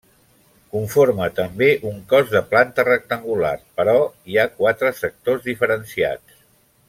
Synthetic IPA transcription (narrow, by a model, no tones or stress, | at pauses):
kuɱformət̪əmbeʔuŋkɔzðəplant̪ərək̚t̪əŋɡula̰rpəɾɔiakwat̪ɾəsək̚t̪ozðifəɾənsia̰t͡s